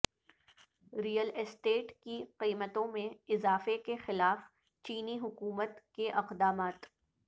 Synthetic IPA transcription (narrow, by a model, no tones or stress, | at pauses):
ɾiːjəlɪsʈeːʈkiqiːmət̪õmẽɪzaːfekexɪlaːf | t͡ʃiːniɦʊkuːmət̪keʔɐqd̪aːmaːt̪